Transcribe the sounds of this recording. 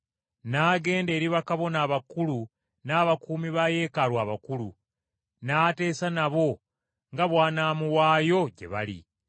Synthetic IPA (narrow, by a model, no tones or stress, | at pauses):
naːɡe̞ːnde̞ːɾiβakaβo̞naːβakulu | naːβakuːmiβaje̞ːkaɾwaːβakulṵ | naːte̞ːsanaβo̞ | ŋɡaβwaːnamuwaːjo̞ɟe̞̰βa̰lḭ